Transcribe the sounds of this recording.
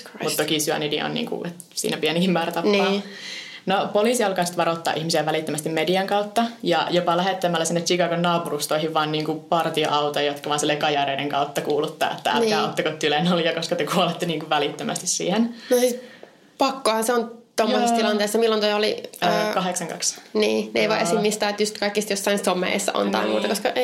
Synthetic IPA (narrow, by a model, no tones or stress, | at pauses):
mutt̪t̪okisyæ̰nidḭo̰nnḭːŋkṵʔet̪ | sḭːnæpiænikimmæːræt̪ɑpnːɑː | nopoliˑsiɑlkɑisi̥t̪ʋɑɾot̪ːɑ̰ʔihmisiæʋælit̪ːømæst̪immediɑŋkɑut̪ːɑjɑ̰jopɑlæɦet̪ːæmːælːæsenːet̪sikɑikonnɑːpurust̪oihiʋʋɑːnniːŋkupɑrt̪io̰ʔɑut̪ojot̪kɑʋɑːnsilːekɑjɑreideŋkɑ̰ut̪ːɑkuːlut̪ːɑ̰ːḛt̪ːææ̰læːot̪ːɑkot̪ːylenoliɑkoskɑt̪økuolet̪ːeniːŋkuʋʋælit̪ːømʔæ̰st̪issḭːhennosiː | pɑkːohɑseont̪omːosisːt̪ilɑnt̪eːsːɑmilːont̪ojoliːkɑɦeksɑŋkɑ̰ksniːneiʋɑʔesimːist̪æːet̪just̪kɑikːist̪josːɑinsomḛːsːɑ̰ʔo̰nt̪ɑ̰imṵːt̪ɑkoskɑe